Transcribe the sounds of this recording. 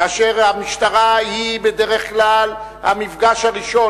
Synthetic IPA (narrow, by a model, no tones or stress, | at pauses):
aʃeʁhamiʃt̪aʁahibed̪eʁeχklal | ha̰mifɡaʃhaʁiʃo̞